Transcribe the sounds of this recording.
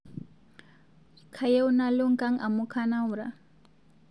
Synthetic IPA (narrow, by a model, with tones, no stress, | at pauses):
kʰa˨je˦u˦na˦lo˦ŋ̩˦kʼa˦ŋ̩a˨mu˦kʰa˦na˦u˨ɾa̰˨